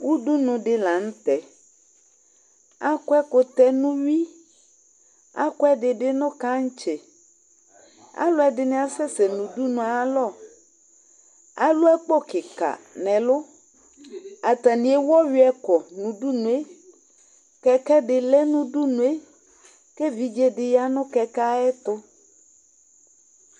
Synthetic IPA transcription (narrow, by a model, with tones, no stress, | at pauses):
wu˦du˦nʊ̃˨ɖɪ˦la˨ŋ̩̃˦t̪ɛ˨ | a˦kɔ˦ɛ˦kʊ˨t̪ɛ˦nũ˦ɥi˦ | a˦kɔ˦ɛ˦ɖɪ˨ɖɪ˦nʊ̃˦ka˦ŋ̩˦t͡ʃɛ˨ | a̰˦lʊ˦ɛ˨ɖɪ˨nɛ̃˨a˨sɛ˦sɛ˨nũ˨du˦nũ˨a˨˦lɔ˦˨ | a˦lʊ˦ɛ˦k͡pɔ˦kɪ˨ka̰˨nɛ̃˨lʊ˦ | a˨t̪a˨nĩ˨˦e˦wɔ˦ɥi˦ɛ˦kɔ˨nũ˨ɖu˦nũ˨e˦ | kɛ˦kɛ˦ɖɪ˨lɛ˦nũ˦ɖu˦nũ˨e˦ | ke˦vi˦d͡ʒe˦ɖɪ˨ja˦nʊ̃˦kɛ˦ka˦ɛ˦t̪ʊ˦